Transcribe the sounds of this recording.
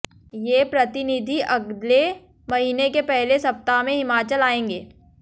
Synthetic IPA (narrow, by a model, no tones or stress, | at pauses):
jeːpɾɐt̪ɪnɪd̪ʱiʔɐɡd̪le | mɐɦiːnekepɛɦlesɐp̚t̪amẽɦɪmaːt͡ʃəlaːẽːŋɡeː